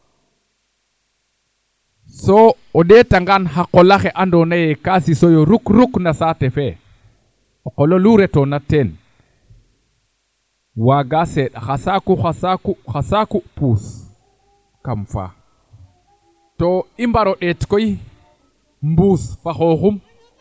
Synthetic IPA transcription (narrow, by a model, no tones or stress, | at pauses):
sɔ | ɔɗɛtaŋɡanhaqɔlaxɛʔandɔnajɛkasisɔjoɾukɾuknasatɛfɛ | ɔqɔloluɾɛtɔnatɛn | waɡasɛɗa̰xasakuxasakuxasakupus | kamfa̰ | tɔimbaɾɔɗɛtkɔji | mbusfaxoxum